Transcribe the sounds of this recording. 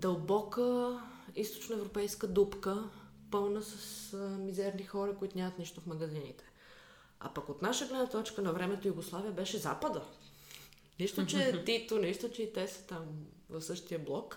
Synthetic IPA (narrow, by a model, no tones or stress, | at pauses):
d̪ɐlˠbɔkə | ist̪o̥t͡ʃnəɛvɾopɛjskəd̪upkə | pɤlˠnəsəsmizɛɾnixɔɾɐkoit̪onʲamɐt̪niʃt̪ofmɐɡɐzinit̪ʰɛ̥ | a̰pɐkot̪naʃəɡlɛd̪nɐt̪ɔt͡ʃkənɐvɾɛmɛt̪ojuɡoslˠaviəbɛʃɛza̰pəd̪ə | niʃt̪ot͡ʃɛt̪it̪oniʃt̪ot͡ʃɛit̪ɛsə̥t̪am | vɐfsɤʃt̪iəblˠɔk